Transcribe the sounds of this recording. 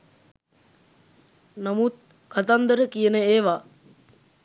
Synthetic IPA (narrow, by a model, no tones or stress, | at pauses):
namut̪̚ | kat̪and̪əɾəkijənəeːʋa